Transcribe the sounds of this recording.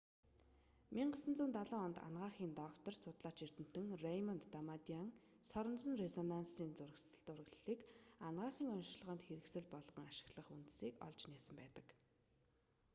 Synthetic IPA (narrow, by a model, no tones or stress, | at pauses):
miɴɢasə̆nt͡suːnt̪aɮʊːɔnt̪a̰nɢaːχiːnt̪ɔkt̪ɞ̆rsʊt̪ɮaːt͡ɕir̥t̪ɘ̆m̥t̪ɘ̆ŋrejmɔnt̪ːamat̪iaŋ | sɔɾɞ̆nt͡sə̆nrezɔnansiːnt͡sʊrɣt͡sʊrɣɮiːkanɢaːχiːŋɔnʃɮʁə̆ːnt̪xeɾɘ̆ksɘ̆ɮpɔɮʁɞ̆ŋaʃɪ̥̆ɣɮə̆χunt̪siːkɔ̰ɮt͡ɕniːsə̆mpæːt̪ə̥̆k